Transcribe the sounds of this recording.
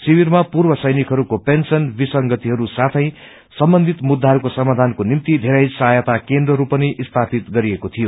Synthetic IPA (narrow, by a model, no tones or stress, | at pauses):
siwirmapurbʌsʌjnikʰɦʌɾukopensʌnbisʌŋɡʌt̪iɦʌɾusat̪ʰʌ̃j̃ | sʌmbʌnd̪ʱit̪mud̪ʱːaɦʌɾukosʌmad̪ʱankonimt̪id̪ʱeɾajsʌɦajʌt̪akend̪rʌɾupʌniʔist̪ʰapit̪ɡʌɾiekot̪ʰijo